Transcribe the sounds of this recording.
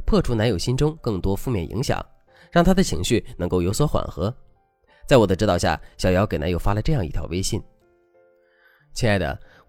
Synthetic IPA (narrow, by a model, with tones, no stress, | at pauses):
pʰɤ˥˩ʈ͡ʂʰu˧˥na˧˥njo˨˩ʊɕi˥nʈ͡ʂʊ˥ŋkɤ˥˩ŋt̪wɔ˥fu˥˧mjɛ˥˩nʔḭ˧˥ŋɕjɑ̰˨˩˦ŋ | ɻɑ˥˩ŋt̪ʰa˥d̪ə˨t͡ɕʰi˧˥ŋɕy˥˩nɤ˧˥ŋko˥˩ʊjo˧˥ʊswɔ˧˥xwa̰˨˩nxɤ˧˥ | t͡sa˥˩ɪwɔ˨˩d̪ə˦ʈ͡ʂ̩˥t̪ɑ˧ʊɕja̰˥˩ɕjɑ˨˩ʊjɑ˧˥ʊke˨˩ɪna˧˥jo˥ʊfa˥lə˨˧ʈ͡ʂɤ˥˧jɑ˥˧ŋi˥˩t̪ʰjɑ˧˥ʊʔe˥ɪɕi˥˩n | t͡ɕʰi˧˥na˥˩ɪd̪ə̰˩